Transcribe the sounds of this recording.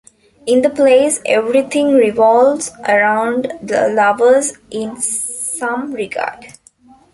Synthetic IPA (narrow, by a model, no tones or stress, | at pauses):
ɪ̃nd̪əpleːseʋɾit̪ʰɪ̃ŋɾiʋɔːlʋzʔəɾãʊ̃ɳɖd̪ə̰lʌʋəzʔɪ̃n | sʌ̃mɾɪɡa̰ːɖ